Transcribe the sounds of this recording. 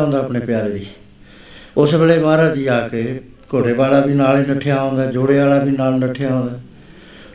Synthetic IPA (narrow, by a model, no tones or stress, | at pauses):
õːnd̪aːpneːpɪjaːɾeːd̪iː | ʊsbeːleːmaːɾaːd̪iːaːkeː | koːɖeːbaːlaːbiːnaːliːnəʈʰːejaːõːnd̪aːd͡ʒoːɽeːaːlaːbʱiːnaːlnəʈʰːeaːõːnd̪aː